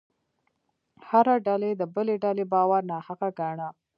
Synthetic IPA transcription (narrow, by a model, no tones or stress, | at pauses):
haɾaɖaled̪əbəleɖalebɑwaɾnahaɣaɡaɳa